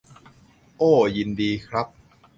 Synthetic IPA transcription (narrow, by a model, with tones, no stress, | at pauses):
ʔoː˥˩ji˧ndiː˧kʰɾa˦˥p̚